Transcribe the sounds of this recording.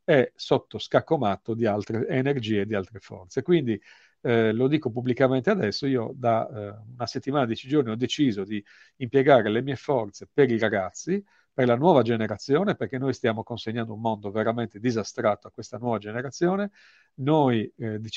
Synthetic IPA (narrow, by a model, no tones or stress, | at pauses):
ɛsɔt̪ːoskakːomat̪ːod̪ialt̪ɾeːnerd͡ʒiːed̪ialt̪ɾefɔ̰rt̪sekwind̪i | lod̪iːkopubːlikament̪ead̪ɛsːoiːod̪aunaset̪ːimaːnad̪it͡ʃid͡ʒorniɔd̪ːet͡ʃiːzod̪iː | mpjɛɡaːɾelemiːefɔrt̪sepeɾiɾaɡat̪sːi | perlanwɔːvad͡ʒeneɾat̪sːjɔːneperk̟enːojst̪jaːmokonseɲːand̪oummond̪oveɾamɛnt̪ed̪izast̪ɾat̪ːoakːwest̪anwɔːvad͡ʒeneɾat̪sːjɔːne | nojd̪